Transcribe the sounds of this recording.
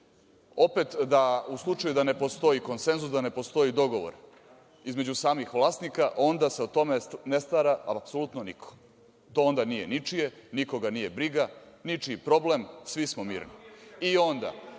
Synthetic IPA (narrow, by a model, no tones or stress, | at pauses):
o̞pe̞t̪d̪auslˠut͡ʂajud̪ane̞po̞st̪o̞iko̞nse̞nzusd̪ane̞po̞st̪o̞id̪o̞ɡo̞ʋo̞̰ɾ | izme̞d͡ʑusaːmixʋlˠaːst̪nikaʔo̞nd̪ase̞ot̪o̞menest̪aɾaapsolut̪nonikʰo̥ | t̪o̞ond̪anije̞nit͡ʂijeniko̞ɡanije̞bɾiɡa | nit͡ʂipɾo̞blemsʋismomḭːɾniio̞nd̪a̰